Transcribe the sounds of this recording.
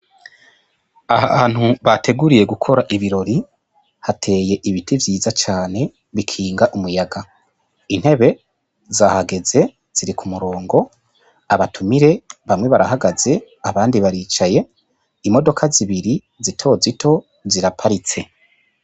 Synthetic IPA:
ahaaːn̥huβatʰe̞ɡuɾije̞ɡukʰo̞ɾaʔiβiɾo̞ɾi | hatʰe̞ːje̞ʔiβitʰivjiːzat͡ʃaːne̞ | βikʰiːŋɡaʔumujaɡa | in̥he̞βe̞ | zahaɡe̞ze̞ | z̥iɾikʰumuɾo̞ːŋɡo̞ | aβatʰumiɾe̞βamŋwe̞βaɾaɦaɡaze̞ | aβaːndiβaɾiːt͡ʃaje̞ | imo̞do̞kʰaziβiɾi | zitʰo̞zitʰo̞ | ziɾapʰaɾit͡se̞

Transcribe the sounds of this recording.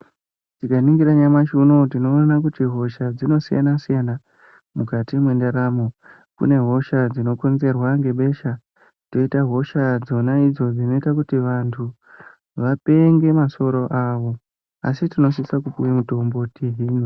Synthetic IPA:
tikaniŋɡiɾaɲamaʃuno̞tino̞nanak̬utiɦo̞ʃad͡zino̞sija̰nasijana | mukatimwe̞ndaɾamo | kṵne̞ɦo̞ʃad͡zino̞ko̞nze̞rwaŋɡe̞ɓe̞ʃa | to̞itaɦo̞ʃad͡zo̞naid͡zo̞d͡zino̞itakutiʋantʰu | ʋape̞ŋɡe̞maso̞ɾo̞ʔaʋo̞ | a̰sitino̞s̬isakupuwemuto̞mbo̞tiɦiːnu

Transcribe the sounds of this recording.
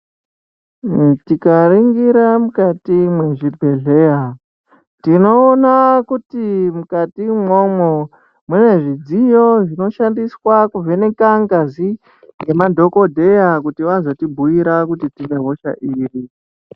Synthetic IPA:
tikaɾiŋɡiɾamukatimwe̞ʐibʱe̞ɮe̞ja | tino̞ːnakutimukatimwo̞mo | mune̞ʐid͡zijo̞ʐino̞ʃandiswakuvʱene̞kaŋɡazi | ŋɡe̞madʱo̞ko̞dʱe̞jakutiʋazo̞tibʱujiɾakutitine̞ɦo̞ʃa̰ʔiːri

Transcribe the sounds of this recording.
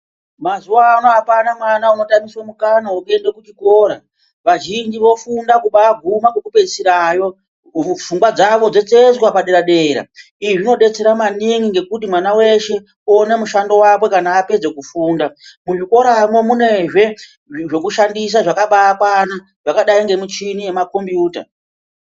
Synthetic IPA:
mazuwaːnoɦapanamwanauno̞tamiswamukanaoke̞ndekut͡ʃiko̞ɾa | ʋaʒind͡ʒiʋo̞fundakuɓaːɡʱumakwekupe̞siɾajo̞ | fuŋbwad͡zaʋo̞d͡ze̞t͡sezkwapaɗeɾaɗeːɾa̰ | iʐino̞ɗe̞t͡se̞ɾamaniŋɡiŋɡe̞kutimwanawe̞ʃe̞ | onemuʃando̞wapwe̞kanaːpe̞d͡ze̞kufuːndamuʐiko̞ɾamo̞mune̞ʐe̞ | ʐe̞kuʃandis̬aʐakaɓaːkwana | ʐ̥akaɗaiŋɡe̞mut͡ʃinije̞mako̞mbjuːta̰

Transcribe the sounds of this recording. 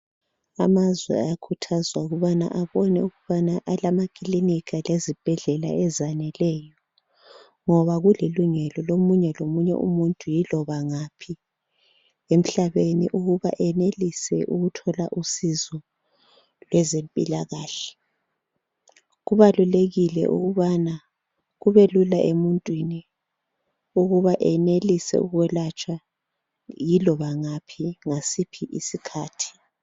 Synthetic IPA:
a̰mazwɛ̰a̰jakʰutʰazwauɣuβana̰ʔaβɔnɛ̰uɣuβanaʔalamakʼiliniɣalezib̥ʱɛɮɛla̰ɛzanɛlɛːjɔ | ŋɔβaɣuleluŋɛlɔlomuɲɛlomuɲɛ̰ʔṵmuntʼujilɔβaŋapʰi | em̩ɬaβenḭʔuɣuβa̰ʔɛnelisɛ̰ʔuɣutʰɔlaʔusizɔ | lwɛzempʼilaɣaːɬɛ̥ | ɣuβaluleɣilɛ̰ʔṵɣuβana | ɣuβelulaʔemuntʼwini | uɣuβaʔɛnelisɛ̰uɣwɛlat͡ʃʼwa | jilɔβaŋapʰiŋasipʰiʔisikʰaːtʰi̥

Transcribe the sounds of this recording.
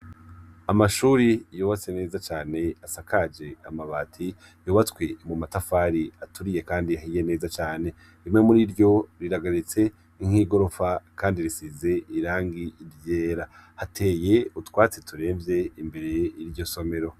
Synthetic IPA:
amaʃuːɾijoːβat͡se̞ne̞ːzat͡ʃaːne̞asakad͡ʒe̞amaβaːtʰi | joːβatwe̞mumatafaɾiatuɾije̞kaːndiahije̞ne̞ːzat͡ʃaːne̞ | imŋe̞muɾiɾɟo̞ɾiɾaɡaɾit͡se̞ | niŋ̥hiːɡo̞ɾo̞fakaːndiɾisize̞iɾaːŋɡiːɾje̞ːɾa | hatʰe̞ːje̞utwaːt͡setʰuɾe̞ːmvje̞imbe̞ɾe̞iɾɟo̞so̞me̞ɾo̞

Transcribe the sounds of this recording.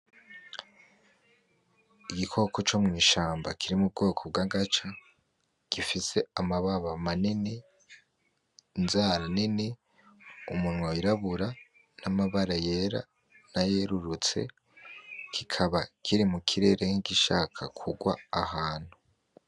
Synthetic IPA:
iɡikʰo̞kot͡ʃo̞mŋiːʃaːmbakʰiɾimub̚ɡo̞ːkʰob̚ɡaːɡat͡ʃa | ɡ̥ifise̞amaβaβamanini | nzaɾanini | umunŋoiɾaβuɾa | namaβaɾaje̞ɾa̰ | naje̞ɾuɾut͡se̞̰ | kʰikʰaβakʰiɾimukʰiɾe̞ːɾe̞ŋiɡiʃaːkʰakʰuɡwa̰ːhaːn̥hu

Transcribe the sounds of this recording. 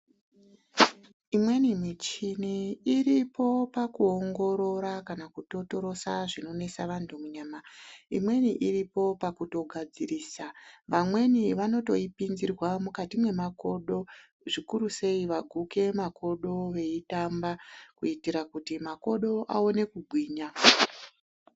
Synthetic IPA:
imwe̞nimit͡ʃiniiripo̞pakuo̞ŋɡo̞ɾo̞ɾakanakuto̞to̞ɾo̞saʐino̞ne̞saʋantʰumuɲaːmaḭmwe̞niʔiripo̞pakuto̞ɡʱad͡ziriːsaʋamwe̞niʋano̞to̞ipinzirwamukatimwe̞mako̞ɗo̞ | ʐikuɾuse̞iʋaɡʱuke̞mako̞ɗo̞ʋe̞itambakuitiɾakutimako̞ɗo̞ʔa̰o̞ne̞kuɡʱwiːɲa

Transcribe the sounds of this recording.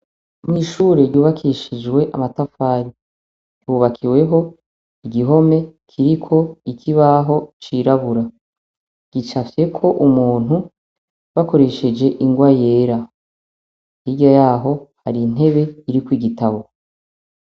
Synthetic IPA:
mŋiːʃuːɾe̞ɾjuːβakʰiʃid͡ʒwe̞ʔamatafaːɾi̥ | juːβakʰiwe̞ɦo̞ | iɡiɦo̞me̞kʰiɾikʰo̞ikʰiβaɦo̞t͡ʃiɾaβuɾa | ɡ̥it͡ʃafje̞kʰo̞ʔumuːn̥u | βako̞ɾe̞ʃe̞d͡ʒe̞ʔiŋɡwaje̞ːɾa | hiɟajaːɦo̞haɾin̥ɦe̞βe̞iɾikwiɡitaβo̞

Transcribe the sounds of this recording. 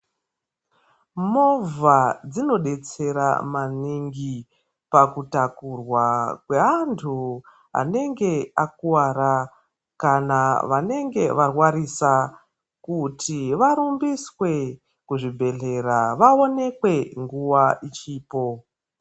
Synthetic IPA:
movad͡zino̞ɗe̞t͡se̞ɾa̰maniŋɡi | pakutakurwakwe̞ɦantʰu | ɦa̰ne̞ŋɡe̞ak̚uwaɾa | kanaʋane̞ŋɡe̞ʋarwaɾisa | kutʰiʋaɾumbiswe̞ | kuʐibʱe̞ɮe̞ɾaʋao̞ne̞kwe̞ŋɡuʋaʔit͡ʃiːpo̞

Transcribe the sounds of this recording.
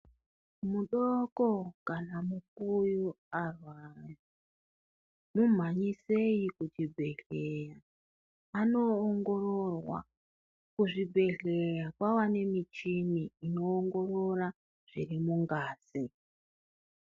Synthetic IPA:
muɗokokanamuk̚uju | arwaja | num̤aɲise̞jikut͡ʃibʱe̞ɮejaː | no̞ːŋɡororwa̰ | kuʐibʱe̞ɮe̞jakwawane̞mit͡ʃiniːno̞ːŋɡo̞ro̞ra | ʐ̥irimuŋɡaːsi

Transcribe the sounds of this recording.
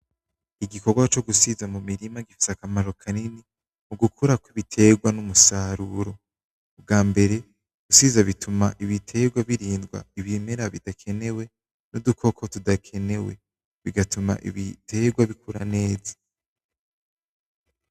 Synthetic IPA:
iɡiko̞ɡwat͡ʃo̞ɡusizamumiɾimaɡifi̥sakamaɾo̞kʰanini | muɡukʰuɾakwiβitʰe̞ɡwanumusaɾuɾo̞ː | b̚ɡaːmbe̞ɾe̞ | ɡ̥usizaβitʰumaʔiβitʰe̞ɡwaβiɾiːndɡwa̰iβimeɾaβidakʰe̞ne̞we̞ | nudukʰo̞kʰo̞tudakʰe̞ne̞we | βiɡatʰuma̰ʔḭβitʰe̞ːɡwaβikʰuɾane̞ːza

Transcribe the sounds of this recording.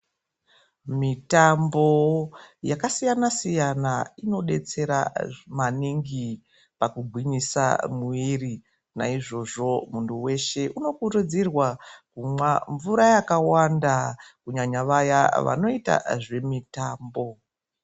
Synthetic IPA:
mitambo̞jakasijanasijanaino̞ɗe̞t͡se̞ɾa̰maniŋɡi | pakuɡʱwiɲisa̰muiri | na̰iʐo̞ʐo̞munduwe̞ʃe̞ʔuno̞kuɾud͡zirwakumwaɱvuɾajakawandakuɲaɲaʋajaʋa̰no̞ita̰ʐe̞mitaːmbo̞

